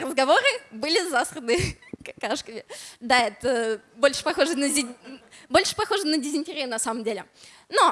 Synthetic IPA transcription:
rəzɡɐvo̞ɾɨbɨlʲɪzasɾənɨkɐkaʂkəmʲɪd̪aɛt̪əbo̞lʲʂɨ̥pɐxo̞ʐɨnəzʲ | bolʲʂɨ̥pɐxo̞ʐɨnədʲɪzʲɪnʲtʲɪɾʲɪnɐsaməmdʲelʲɪ | no

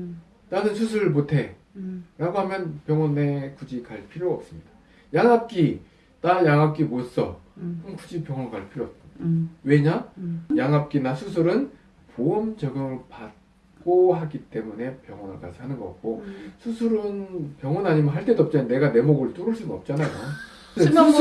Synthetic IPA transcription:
t͈anɯnsʰusʰuɭmotʰe̞ | ɾaɡoɦamjʌnpjʌŋʌne̞kud͡ʑikaɭpʰiɾjoʌp̚s͈ɯmɲid̥ḁ | jaŋap̚k͈i | t͈ajaŋap̚k͈imos͈ʌkɯmkud͡ʑipjʌŋʌkaɭpʰiɾjoʌt͈̚we̞ɲajaŋap̚k͈inasʰusʰɯɾɯn | poɯmd͡ʑʌɡɯmɯɭpat̚ | k͈oɦaɡit͈e̞mune̞pjʌŋwʌnɯ̰ɭka̰sʰanɯnɡʌk͈a̰t̚k͈osʰusʰuɾɯnpjʌŋʌnaɲimjʌnɦaɭt͈e̞doʌp̚t͡ɕ͈anane̞ɡane̞moɡɯɭt͈oɾɯɭs͈unɯnʌp̚t͡ɕ͈anajo

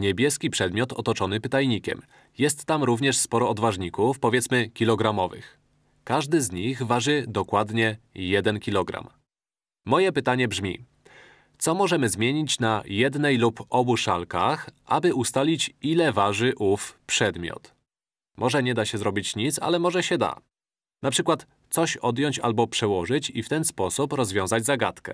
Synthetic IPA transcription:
ɲɛbʲjɛskʲipʂɛd̪mʲjɔt̪ɔt̪ɔt͡ʂɔnɘpɘt̪ajɲikʲɛ̰m | jɛst̪ːamɾuvɲɛʂspɔɾɔɔd̪vaʐɲikufpɔvʲjɛt̪smɘkʲilɔɡɾamɔvɘ̰x | kaʐd̪ɘzɲiɣvaʐɘd̪ɔkwad̪ɲɛjɛd̪ɛnkʲilɔɡɾa̰mː | ɔjɛpɘt̪aɲɛbʐmʲḭ | t̪sɔmɔʐɛmɘzmʲjɛɲit͡ɕnajɛd̪nɛjlupɔbuʂalka̰xʔa̰bɘʔust̪alʲit͡ɕilɛvaʐɘʔufpʂɛd̪mʲjɔ̰t̪ | mʔɔʐɛɲɛd̪aɕɛzɾɔbʲit͡ɕɲit̪sa̰lɛmɔʐɛɕɛd̪a̰ | napʂɘkwat̪ | t̪sɔɕɔd̪jɔɲt͡ɕa̰lbɔpʂɛwɔʐɘt͡ɕift̪ɛnspɔsupɾɔzvʲɔ̃w̃zad͡ʑʲzaɡat̪kɛ̰

